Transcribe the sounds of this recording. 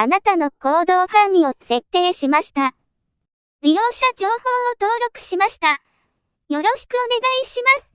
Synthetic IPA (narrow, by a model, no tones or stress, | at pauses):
anat̪ano̞ko̞ːd̪o̞ːhãɲːʲio̞se̞t̪ːe̞ːɕimaɕi̥t̪a | ɾʲijo̞ːɕad͡ʑo̞ːho̞ːot̪o̞ːɾo̞kɯ̟̥ɕimaɕi̥t̪a | jo̞ɾo̞ɕi̥kɯ̟o̞ne̞ɡaiɕimasɨ̥